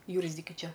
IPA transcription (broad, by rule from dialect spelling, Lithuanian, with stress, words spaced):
ˈjuːrʲzʲdʲɪkʲʊ ˈt͡ʃʲɛ